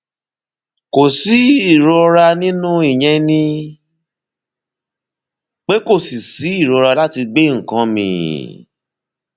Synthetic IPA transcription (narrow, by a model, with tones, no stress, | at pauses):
ko˨si˨˦i˦˨ɾo˧ɾa˧nĩ˦nũ˦i˦˨ɲ̃ɛ̃˧nĩ˧ | k͡pe˦ko˦˨si˨si˨˦i˦˨ɾo˨˧ɾa˧la˦ti˧ɡ͡be˦ŋ̩˨kã˧mḭ̃˧˦